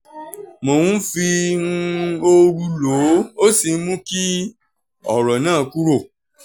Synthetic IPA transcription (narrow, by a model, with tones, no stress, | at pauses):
mõ˨wũ˦fĩ˧˦ | o˧ɾu˧lo˨˦o˦si˨˧˦mũ˦ki˦ | ɔ̰˨ɾɔ˨nãː˦˨ku˦ɾo˦˨